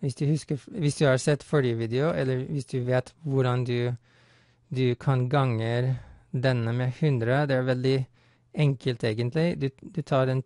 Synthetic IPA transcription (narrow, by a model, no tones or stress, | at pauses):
ʋɪsd̪ʉːhʉskəɾʋɪsd̪ʉːhɑːɾsɛt̪ːfɔɾjəʋiːd̪ɛʊʔɛlːəɾʋɪsd̪ʉʋeːt̪ʋʊɖɑnd̪ʉ | d̪ʉkʰɑnɡɑŋəɾd̪ɛnəmeːhʉnd̪ɾəd̪ɛːæːɾʋɛld̪ɪ | ɛŋkəlt̪eːɡənt̪ʰlɪd̪ʉd̪ʉt̪ʰɑːɾɛːn